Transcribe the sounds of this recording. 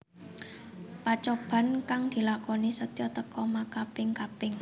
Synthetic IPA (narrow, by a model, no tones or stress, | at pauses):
pat͡ʃɔb̥ä̤nkaŋd̪̥i̤lakɔnisət̪jɔt̪əkɔmakapɪŋkapɪŋ